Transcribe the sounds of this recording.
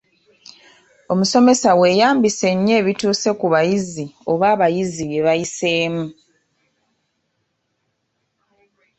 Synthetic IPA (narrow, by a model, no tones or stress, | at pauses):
o̞muso̞me̞sawe̞ːjaːmbise̞ɲːe̞ːβituːse̞kuβajizio̞βaːβajiziβe̞βajise̞ːmu